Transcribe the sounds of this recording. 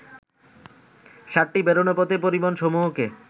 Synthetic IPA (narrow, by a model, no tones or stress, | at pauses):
ʃaʈːibeɾonopɔt̪epoɾibonʃɔmuɦoke